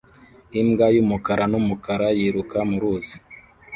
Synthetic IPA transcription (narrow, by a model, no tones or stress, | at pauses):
imɡajumukaɾanumukaɾajiɾukamuɾuːzi̥